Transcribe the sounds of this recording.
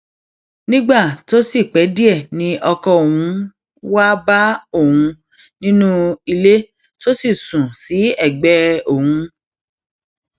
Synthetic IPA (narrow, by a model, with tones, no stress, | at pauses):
nĩ˦ɡ͡ba˦˨to˦si˦˨k͡pɛ˨˦di˦ɛ˦˨nĩ˧˦ʔɔ˧kɔ˧˨o˨wũ˨˦ | wa˦ba˦o˦˨hũ˧ | nĩ˦nũ˦i˧le˦ | to˦si˦˨sũ˨si˨˦ɛ˦˨ɡ͡bɛ˦o˦˨hũ˧